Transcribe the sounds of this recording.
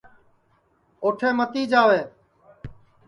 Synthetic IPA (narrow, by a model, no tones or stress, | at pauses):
oːʈʰeːmət̪iːd͡ʒaːʋeː